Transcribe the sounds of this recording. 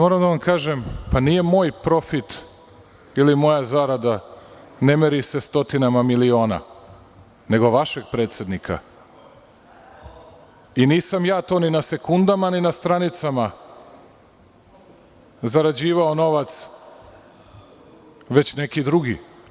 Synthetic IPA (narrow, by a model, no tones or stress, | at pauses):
mo̞ɾamd̪aʋamkaːʒempanije̞mo̞ːjpɾo̞fit̪ | ilimo̞jazaɾad̪a | ne̞meɾisest̪o̞t̪inamamilio̞ːna̰ | ne̞ɡo̞ʋaʃe̞ɡ̚pɾe̞ːt̪se̞d̪nikʰa̰ | iniːsamjaːt̪o̞ːninase̞kund̪amaninast̪ɾanit̪sama | zaɾad͡ʑiːʋao̞no̞ʋat̪s | ʋe̞t͡ɕne̞kid̪ɾuɡi